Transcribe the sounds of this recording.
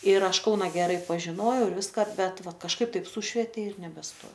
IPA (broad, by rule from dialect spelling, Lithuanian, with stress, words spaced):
ɪr ˈɐʃ ˈkɐʊnɐ ɡʲɛˈrɐɪ pɐʒʲɪˈnoːjɛʊ ɪr ˈʋʲɪskɐ ˈbʲɛt ˈʋɐ kɐʃˈkɐɪp ˈtɐɪp ˈsʊʃʲʋʲɛtʲeː ɪr nʲɛbʲɛsˈtoːjɛʊ